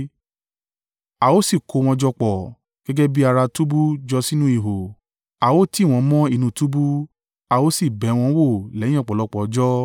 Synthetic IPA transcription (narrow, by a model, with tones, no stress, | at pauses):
a˨wo˦si˦˨ko˨˧w̃ɔ̃˧d͡ʒɔ˧k͡pɔ˨ | ɡ̥ɛ˦ɡɛ˦bi˦a˧ɾa˧tu˦bu˦d͡ʒɔ˧si˦nũ˦i˧˨ɦo˨ | a˨wo˦ti˦˨w̃ɔ̃˧mɔ̃˦i˦˧˨nũ˧˨tu˦bu˦ | a˧wo˦si˦˨bɛ˨˦w̃ɔ̃˧˦wo˦˨lɛ̃˨˦ɔ̃˦˨k͡pɔ˨lɔ˨˧˦k͡pɔ˨˦d͡ʒɔ˦